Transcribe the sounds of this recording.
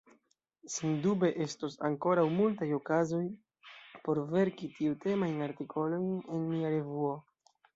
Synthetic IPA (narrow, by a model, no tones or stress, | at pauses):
sendube̞ʔe̞stosa̰ŋko̞ɾawmultajo̞kazo̞j | po̞ɾve̞ɾkitiute̞majnaɾtikʰo̞lo̞jne̞nmiaɾe̞vuo̞